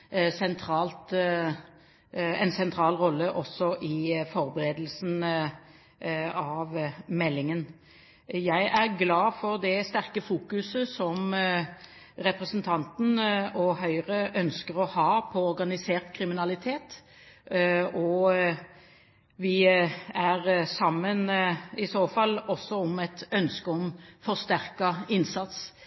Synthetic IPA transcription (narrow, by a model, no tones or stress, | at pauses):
sɛnt̪ʰɾɑːlt̪ | ɛ̰nsɛnt̪ʰɾɑːlʁɔlːəʔɔsːɔʔɪfɔɾbəɾeːd̪l̩sn | ɑʋmɛlːɪŋən | jæɪʔæʁɡlɑːfɔʁd̪ɛst̪æʁkəfuːkʉsəsɔm | ɾɛpʁɛsənt̪ʰɑnt̪n̩ɔɦœʏʁəʔœnskəɾɔhɑːpʰɔɔɾɡɑnɪseːʁt̪kʰɾɪmɪnɑlɪt̪ʰeːt̪ | ɔ | ʋɪæɾsɑmːənɪsoːfɑlːɔsːɔɔmɛt̪œnskəɔmfɔʁst̪æʁkɑɪnsɑt̪s